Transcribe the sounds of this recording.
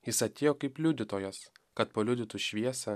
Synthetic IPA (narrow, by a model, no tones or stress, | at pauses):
jɪsɐt̪ʲeːjoːkɐɪplʲuːd̪ʲɪt̪oːjos | kɐt̪pɐlʲuːd̪ʲɪt̪ʊʃʲʋʲiɛsʲɛ